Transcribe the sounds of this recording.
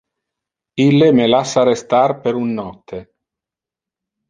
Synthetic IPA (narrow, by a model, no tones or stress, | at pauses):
ilːemelasːaɾest̪arpeɾunːɔt̪ʰːe